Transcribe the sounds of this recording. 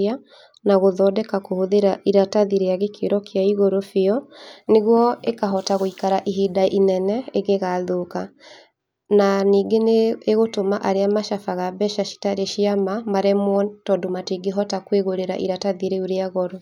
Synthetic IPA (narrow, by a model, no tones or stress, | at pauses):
a | naɣoðɔdɛkakohoðeɾaiɾataðiɾeaɣekʰḛɾɔkʰeaiɣoɾofeɔneɣwɔekaɦɔtaɣoikaɾaʔiɦidaʔinɛnɛeɣeɣaðoka | naniːɡeneːɣotomaʔaɾeamaʃafaɣabɛʃaʃi̥taɾeʃiamamaɾemwɔtɔdomatiɡeɦɔtakweɣoɾeɾa̰ʔiɾataðiɾeuɾeaɣɔɾɔ